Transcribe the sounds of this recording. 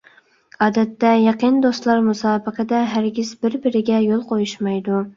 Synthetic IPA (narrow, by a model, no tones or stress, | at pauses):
ɑːd̪ɛt̪ːɛjɑqənd̪ost̪lˠɑɾmusɑːbɨqʰəd̪ɛɦæɾɡʲizbɪɾbɪɾɪɡʲɛjolˠqʰojuʃmɑjd̪u